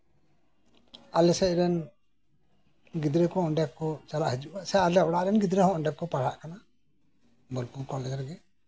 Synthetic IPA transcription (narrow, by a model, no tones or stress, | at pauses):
alɛsɛc̚ɾɛn | ɡid̪ɾɛkɔɔɳɖjakɔt͡ʃalaʔhəd͡ʒuʔaʔsɛalɛɔɽaʔɾɛnɡid̪ɾɛhɔ̃ɔɳɖjakɔpaɽaʔkana | bɔlkukɔlɛd͡ʒɾɡɛ